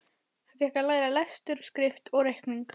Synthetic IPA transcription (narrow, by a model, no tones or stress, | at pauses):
havjɛhkalaːjɾalast̪ʏɾ̥skɾɪft̪ɔɣɾejhkniŋk